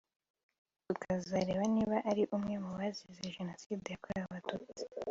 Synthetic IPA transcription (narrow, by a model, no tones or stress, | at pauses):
ukazaɾe̞ːβaniːβaʔaɾiʔumŋe̞muwazizeʒeno̞sidejakoɾaβatuːt͡si̥